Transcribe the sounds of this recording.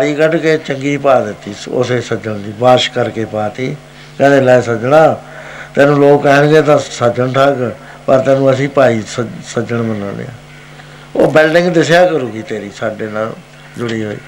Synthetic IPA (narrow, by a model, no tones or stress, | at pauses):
aɾiːkəʈkeːt͡ʃəŋɡiːpaːd̪ɪt̪ːiːʊ̰seːsəd͡ʒəɳd̪iːbaːʃkəɾkeːpaːt̪iː | kɛ̃ːd̪eːlɛːsəd͡ʒɽaːt̪ɛ̃ːnũːloːkːɛɦəɳɡeːt̪ãːsəd͡ʒəɳʈʰaːɡə | pəɾt̪ɛ̃ːnũːəs̬ĩːpaːiːsəsəd͡ʒəɳmənã̰ːnḛːa̰ː | o̰ːbɪlɖɪ̃ŋɡd̪ɪsjaːkəɾuːɡiːt̪eːɾiːsaːɖeːnaː | d͡ʒʊɽiːɦo̰ːḭː